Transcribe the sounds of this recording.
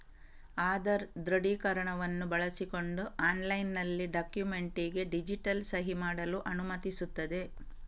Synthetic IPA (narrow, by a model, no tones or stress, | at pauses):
aːd̪ɐɾd̪ɾɐɽiːkɐɾɐɳɐʋɐnːubɐɭɐsiko̞ɳɖuaːnlɐjnːɐlːiɖaːkjume̞ɳʈiɡe̞ɖid͡ʒiʈɐlsɐɦimaːɽɐluʔɐnumɐt̪isut̪ːɐd̪e̞